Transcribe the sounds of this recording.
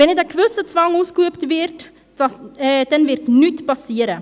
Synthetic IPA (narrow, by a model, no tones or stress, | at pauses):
ɛnɛdakʋøsət͡sʋaŋuskuəptʋɪrt | dɛnʋɪrtnytpɑsiəɾə